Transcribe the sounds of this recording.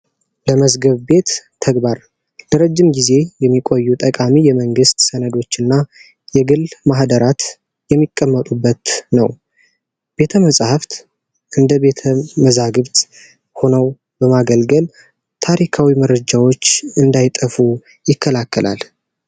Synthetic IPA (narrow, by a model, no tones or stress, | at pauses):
ləməzɡəβbe̞t̪ʰː | əɡbaɾ | ləɾəd͡ʒːɪmɡize̞jɛmːikʼo̞jːut̪ʼəkʼamijɛməŋɡɨst̪sənəd̪o̞t͡ʃːɨnːa | jɛɡɨlmahd̪əɾat̪ | jɛmːikʼːəmːət̪ʼubːət̪nəw | b̥e̞t̪ʰəməsʼhaft̪ | ʔɨnd̪əβe̞t̪ʰəməzaɡɨβt̪ | ho̞nəw | bəmaɡəlɡəl | t̪ʰaɾikʰawiməɾəd͡ʒawo̞t͡ʃːɨnd̪ajɪt̪ʼəfu | jɪkːəlakːəlʔa̰l